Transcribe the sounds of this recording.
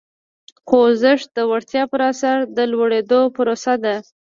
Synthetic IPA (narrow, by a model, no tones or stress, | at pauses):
qozɪʂd̪̥əwaɽt̪jɑpəɾasaɾd̪əlwaɽed̪opəɾosad̪a